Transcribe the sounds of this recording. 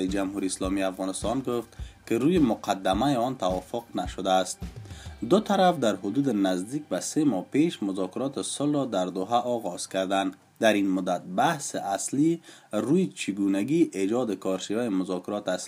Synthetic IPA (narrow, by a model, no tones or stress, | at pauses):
id͡ʒamɦuɾiːslɔmiafɣɔnɪst̪ɒnɡʊft̪kɪɾujemʊqʰad̪ːamajeɔnt̪awɔfʊqnaʃʊd̪aːst̪̚d̪ʊt̪ʰaɾafd̪aɾɦʊd̪ud̪ɪnazd̪ik̚basemɔpeʃmʊzɔkɪɾɒt̪ɪsʊlɾɔd̪aɾd̪ʊɦaʔɔɣɔz̥kaɾd̪and̪ | d̪aɾinmʊd̪at̪̚bahsɪʔasliɾujɪt͡ʃʰɪɡunaɡiʔed͡ʒɔd̪ɪkʰɒɾʃivajimʊzɔkɪɾɔt̪ɪas